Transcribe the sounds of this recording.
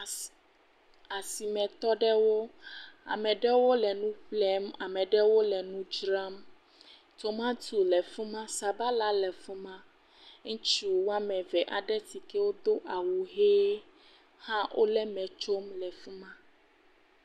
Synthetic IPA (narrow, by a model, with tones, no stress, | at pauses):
a˨si˨mɛ̃˨t̪ɔ˦ɖɛ˦wo˦a̰˨mɛ̃˨ɖɛ˦wo˦lɛ˨nũ˦ɸlɛ˦ma˨mɛ̃˨ɖɛ˦wo˦lɛ˨nũ˦d͡ʒɾa˦m | t̪o˨mã˦du˨lɛ˨fũ˦mã˦sa˨ba˦la˦lɛ˨fu˦mã˦ | ŋ̩̃˦t͡ʃu˦˨wo˦a˦mɛ̃˨vɛ˨ʔa˨ɖɛ˦t̪i˨kɛ˦wo˦d̪o˦ʔa˨wu˨ɦe˦ | hã˦wʔo̰˦lɛ˦mɛ̃˨t͡ʃo˦mlɛ˨fu˦mã˦